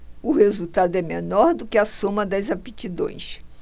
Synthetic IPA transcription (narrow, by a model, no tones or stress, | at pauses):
ʊhezut̪ad̪ʊɛmenɔɾd̪ʊkɪɐsõmɐd̪ɐjzapit͡ʃid̪õ̰j̃ʃ